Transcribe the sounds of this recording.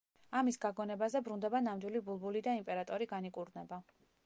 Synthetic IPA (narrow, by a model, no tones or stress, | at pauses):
amisɡaɡɔnɛbazɛbɾund̪ɛbanamd̪wilibulˠbulid̪aimpʼɛɾat̪ʼɔɾiɡanikʼuɾnɛba